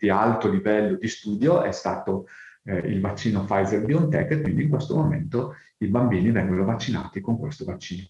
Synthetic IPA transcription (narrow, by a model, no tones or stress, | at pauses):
d̪̥ialt̪olivɛlːod̪ist̪uːd̪joɛ̰st̪aːt̪o | ḭlvat͡ʃːiːnofajzerbiont̪ɛ̰kːekwind̪iŋkwest̪omoment̪o | ibambiːnivɛŋɡonovat͡ʃːina̰ːt̪ikoŋkwḛst̪ovat͡ʃːiːno